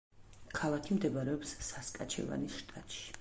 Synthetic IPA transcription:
kʰalˠakʰimd̪ɛbaɾɛɔpsːaskʼat͡ʃʰɛ̰va̰nisʃt̪ʼat̪ʼʃi̥

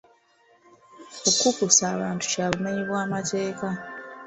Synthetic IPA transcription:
okukusaːβaːntu̥caβume̞ɲiβwaːmate̞ːka

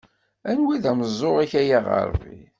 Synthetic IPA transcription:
ænwiðæməzˤːoʁæçæjaʁə̰ɾˤvḭ

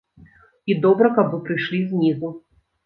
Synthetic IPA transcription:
id̪ɔbɾɐkɐbɨpɾɨjʂlʲizʲnʲizu

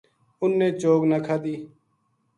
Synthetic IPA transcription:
ʊnːẽːt͡ʃoːɡnakʰaːd̪iː

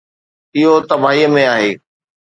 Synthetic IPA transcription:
ɪɦot̪ɐbaːɦiːəmẽaːɦeː

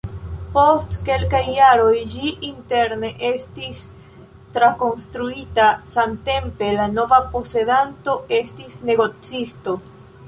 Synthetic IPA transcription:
po̞stke̞lkajːaɾo̞jd͡ʒiʔinte̞ɾne̞ʔe̞stis | tɾako̞nstɾuitasamte̞mpe̞lano̞vapo̞se̞danto̞e̞stisne̞ɡo̞t͡sisto̞

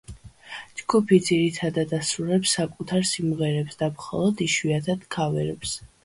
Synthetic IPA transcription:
d͡ʒɡupʰid̪ziɾit̪ʰad̪ad̪asɾuɾɛpsːakʼut̪ʰaɾsimʁɛɾɛpsd̪amχɔ̰lˠɔd̪iʃwiat̪ʰad̪̥kʰavɛ̰ɾɛps

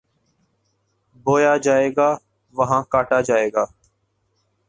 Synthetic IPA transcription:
boːjaːd͡ʒaːeːɡaː | ʋəɦãːkaːʈaːd͡ʒaːeːɡaː

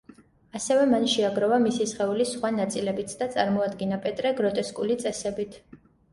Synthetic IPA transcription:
asɛvɛmanʃɛaɡɾɔvamisisχɛulisχwanat̪sʼilɛbit̪ʰd̪at̪sʼaɾmɔad̪ɡinapʼɛt̪ʼɾɛɡɾɔt̪ʼɛskʼulit̪sʼɛsɛbit̪ʰ

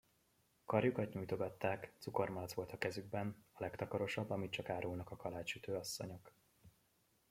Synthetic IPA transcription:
kɒrjukɒt̪ɲujt̪o̞ɡɒt̪ːaːkt̪suko̞rmɒlt̪sʋo̞lt̪ɒkɛzyɡ̚bɛnɒlɛkt̪ɒkɒɾo̞ʃɒbːɒmit̪t͡ʃɒkaːɾuːlnɒkɒkɒlaːt͡ʃʃyt̪øːɒsːo̞̰ɲo̞k

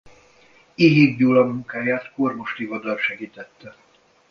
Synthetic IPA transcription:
iɦiːvdulɒmːuŋkaːjaːt̪kormoʃt̪ivɒd̪ɒlʃɛɡiːt̪ɛt̪ːɛ

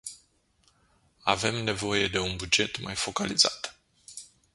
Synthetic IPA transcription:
ave̞mne̞vo̞je̞d̪e̞unbud͡ʒe̞t̪majfo̞kaliza̰t̪

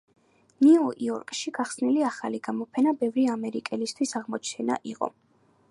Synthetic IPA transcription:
niuʔiɔɾkʼʃiɡaχsniliaχaliɡamɔpʰɛnabɛvɾiamɛɾikʼɛlist̪ʰwisaʁmɔt͡ʃʰnɛna̰ʔiqʼɔ̰

